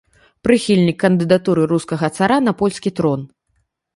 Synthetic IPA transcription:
pɾɨxʲilʲnʲikːɐnd̪ɨd̪at̪uɾɨɾuskɐɣɐt̪saɾanɐpɔlʲskʲit̪ɾɔn

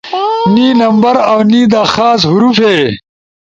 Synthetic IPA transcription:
niːnɐmbɐɾawniːd̪aːxaːs̬ɦuɾufeː

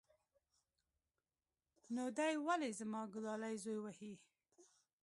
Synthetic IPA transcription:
nod̪ajwalezamɑɡʊlɑlajzojwahi

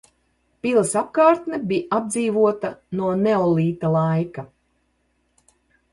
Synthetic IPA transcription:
pilˠɐsap̚kaːɾt̪nɛbiʔab̚d̪ziːvuɔt̪anuɔneɔlˠiːt̪alˠajka

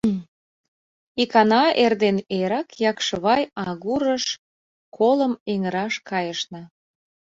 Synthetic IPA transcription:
ikɑnɑerd̪eneɾɑkjɑkʃəβɑjɑɣuɾəʃ | kʰoləmeŋəɾɑʃkɑjəʃnə̆

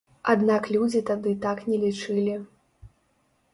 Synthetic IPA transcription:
ad̪naklʲud͡zʲit̪ad̪ɨt̪aknʲɛlʲit͡ʂɨlʲi

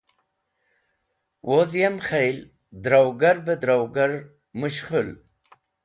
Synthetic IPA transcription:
wʔozjemχejl | d̪ɾawɡaɾbəd̪ɾawɡaɾ | muɕχul

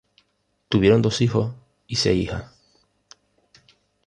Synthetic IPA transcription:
t̪uβjeɾond̪osixo | isḛiha

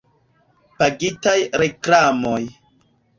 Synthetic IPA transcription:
paɡitajɾeklamo̞j

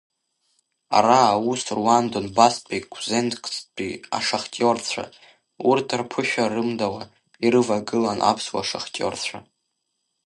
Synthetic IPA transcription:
a̰ɾausʰruandonbaspʼikʷʰzenkʼt͡spʼia̰ʂaχtʲʼort͡sʷʰa̰ | urtʰarpʰɨʃᶣarɨmdawa | iɾɨvaɡɨlanʔa̰pʰswa̰ʂaχtʼo̰rt͡sʷʰa

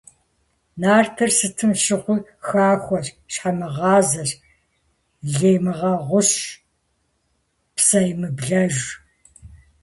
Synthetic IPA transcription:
naːrtʰɨrsɨtʰɨmʃɪqʷʊxaːxʷɔɕ | ɕħamɨʁɑːzɐɕ | ɮeːjmɨʁɐʁʷʊɕ | psɐjmɨbɮɐʒ

